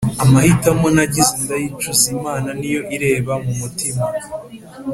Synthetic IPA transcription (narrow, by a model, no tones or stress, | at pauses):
amahitamonaɟizindajit͡ʃuzimaːnanijo̞ʔiɾe̞ːβamumutima